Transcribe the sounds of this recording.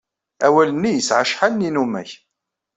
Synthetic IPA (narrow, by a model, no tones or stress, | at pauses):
æwælənːijəsʕaʃħanːinumæ̰ç